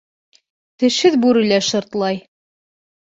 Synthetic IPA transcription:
t̪ɘ̆ʃhɘðbʉɾɘ̆læʃɤ̆ɾt̪lˠɑj

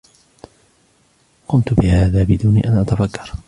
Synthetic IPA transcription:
qʊmt̪ʊbɪhaːðaːbɪd̪uːnḭːʔanʔat̪afakːɑ̥ɾˤ

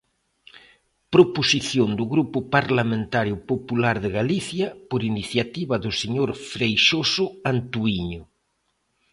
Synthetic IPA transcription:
pɾoposiθjond̪ʊɣɾupʊpaɾlamẽnt̪aɾjʊpopulaɾðɪɣaliθjɐpoɾiniθjat̪iβɐðʊseɲoɾfɾejʃosʊant̪uiɲʊ

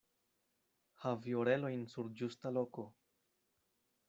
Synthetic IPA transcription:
havioɾe̞lo̞jnsuɾd͡ʒustalo̞ko̞

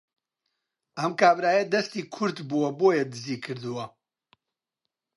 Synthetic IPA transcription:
ɐmkaːbɾaːjɐd̪ɐst̪iːkʰʊɾd̪buwɐboːjɛd̪ɨziːkʰɨɾd̪uwɐ

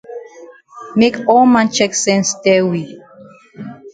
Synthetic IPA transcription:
mekɔlmãnt͡ʃɛksɛ̃nsdɛwi

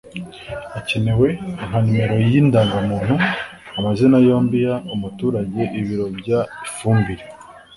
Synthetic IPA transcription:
acenewe̞ŋ̥hanume̞ɾo̞jjindaːŋɡamuːn̥hu | amazenajo̞ːmbijaumutuːɾaɟe̞ʔiβiɾo̞bɟaifuːmbiɾe

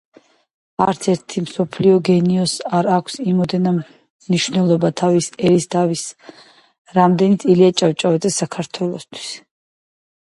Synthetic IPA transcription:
aɾt̪sʰɛɾt̪ʰimsɔpʰliɔɡɛniɔsaɾakʷʰsimɔd̪ɛna | mniʃwvnɛlˠɔbat̪ʰavisɛɾisd̪avis | ɾamd̪ɛnit̪sʼiliat͡ʃʼawt͡ʃʼavɛd̪zɛsakʰaɾt̪ʰwɛlˠɔst̪ʰwi̥s

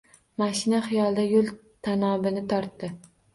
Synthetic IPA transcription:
maʃɪnaχɪjɒlˠd̪ajolˠt̪ʰanɒbɪnɪt̪ʰɒɾt̪ːɪ

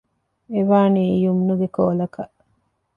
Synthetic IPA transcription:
eʋaːnijumnuɡekoːlɐkɐʔ

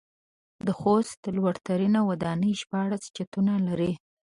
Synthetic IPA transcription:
d̪əxost̪̚d̪əlwaɽt̪aɾinawad̪ɑnəjʃpɑɽast͡ʃat̪unalaɾi

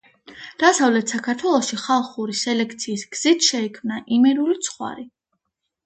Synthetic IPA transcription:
d̪̥asavlɛt̪ʰsakʰaɾt̪ʰwɛlˠɔʃiχalˠχuɾisɛlɛk̚ʰt̪sʰiːsɡ̥z̥it̪ʰʃɛikʰmnaʔimɛɾulit̪sʰχwa̰ɾi

